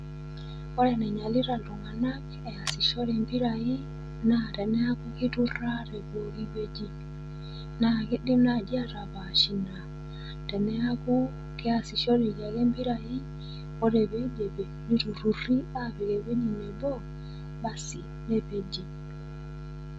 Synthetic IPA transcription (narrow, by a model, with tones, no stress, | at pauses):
ɔ˦ɾɛ˨nɛ˨ɲa˨li˦ɾa˨lu˨ŋa˨na˦k | ɛ˨a˨si˨ʃɔ˦ɾɛ˨mbi˦ɾa˨i˦ | na˦˨tɛ˨nɛ˦a˦ku˦ki˦tu˦ra˦ɾɛ˨bo˨ki˦βe˦d͡ʒi˦ | na˨ki˦ɗi˦m˦na˦˨d͡ʒi˦a˦ɾa˨βa˨ʃi˨na˨ | tɛ˨nɛ˦a˦ku˦ | kɛ˦a˨si˨ʃɔ˦ɾi˨ja˨kɛ˦mbi˦ɾa˨i˦ | ɔ˦ɾɛ˨βe˦d͡ʒɛ˨bɛ˨ni˦tu˨ɾu˨ri˦a˦βɛ˨kɛ˨we˦ɲi˨nɛ˨bɔ˦ | ɓa˨si˨ | nɛ˦βe˨d͡ʒi˨